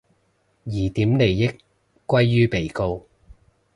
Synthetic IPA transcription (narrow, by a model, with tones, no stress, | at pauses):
jiː˨˩t̪iː˨˥mne˨˩jjɪ˥kːʷ | ɐ˥jːyː˥pe˨˩jko˧w